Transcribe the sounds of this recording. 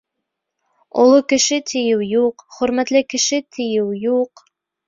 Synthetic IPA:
o̰lˠokɘ̆ʃɘt̪ʰɘ̆jɘwjuqχɵ̆ɾmæt̪lɘkɘ̆ʃɘt̪ʰɘ̆jɘwjuq

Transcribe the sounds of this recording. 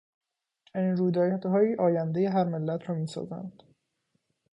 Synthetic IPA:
inɾuːd̪ɒːjt̪hɒːjiːʔɒːjænd̪ejeɦæɾmelːæt̪ʰɾɒːmiːsɒ̰ːzæ̰nd̪̥

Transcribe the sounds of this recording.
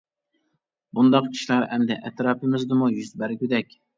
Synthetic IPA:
bund̪ɑqkʲʰi̥ʃlɑɾʔɛmd̪ɛʔɛt̪ɾɑːpʰɪmɪzd̪ɨmujyzbæɾkʲyd̪ɛkʲ

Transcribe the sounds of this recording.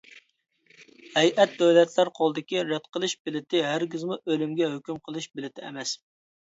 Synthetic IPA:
hɛjʔɛt̪̚d̪ɛwlɛt̪ʰlæɾqʰolˠɨd̪ɪkʲiɾɛd̪̚qʰəlˠɨʃbɪlɪt̪ɪɦæɾɡʲizmuʔølɪmɡʲɛɦøkʲymqʰəlˠɨʃbɪlɪt̪ʰɪɛ̰mɛs

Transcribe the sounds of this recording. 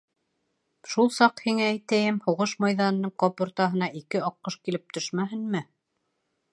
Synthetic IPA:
ʃulˠsɑqhiŋæːjt̪æjɘmhuʁɤʃmɑjðɑnɤ̆nːɤɴqɑpŭɾt̪ɑɦɤ̆nɑʔikɘɑqːɤʃkilɘp̚t̪ʰɵʃmæɦɘ̆nmɘ

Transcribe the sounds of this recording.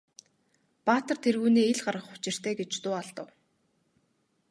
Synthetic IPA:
paːt̪ə̆rt̪ʰerɣuːniːeɮɢarʁə̆χʊ̥t͡ɕɪ̆r̥t̪ʰeːɡet͡ɕt̪ʊːaɮt̪ə̆w

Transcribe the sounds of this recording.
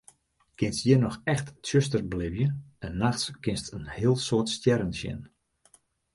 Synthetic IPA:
kɪnstjiənɔxɛxtsøstərblɪvjəɛnːaxskɪnstənhɪəlˠsoːtstjɛɾənsjɪ̰n

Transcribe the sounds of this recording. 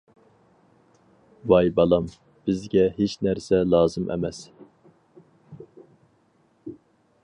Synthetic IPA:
vɑjbɑlˠɑm | b̥ɪzɡʲɛɦet͡ʃnæɾsɛlˠɑːzɨmʔɛ̰mɛs

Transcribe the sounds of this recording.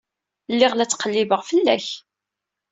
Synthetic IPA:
lːɪʁlæt͡sːqəlːivəʁfəlːæ̰ç

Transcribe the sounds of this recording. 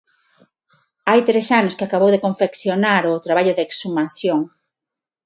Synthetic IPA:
ajt̪ɾesanʊskɪakaβowðekoɱfekθjonaɾʊt̪ɾaβaʎʊðeksumaθjoŋ

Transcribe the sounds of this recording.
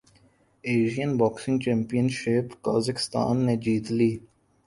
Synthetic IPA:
eːʒijənbɔːksɪ̃ŋɡt͡ʃẽːmpijənʃɪpka̰ːzəkɪ̥st̪a̰ːnːed͡ʒiːt̪liː

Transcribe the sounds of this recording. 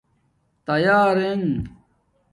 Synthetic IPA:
t̪ɐjaːɾeŋ

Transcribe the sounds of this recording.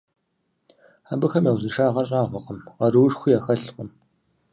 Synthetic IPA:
abɨxɐmjaːwzɨʂaːʁɐrɕʼaːʁɐqəmʁɐruːʂxʷijaːxɐɬqəm

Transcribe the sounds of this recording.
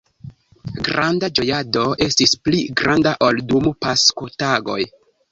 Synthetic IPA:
ɡɾandad͡ʒo̞jado̞ʔe̞stispliɡɾʔandaʔoldumupaskotaɡo̞̰j

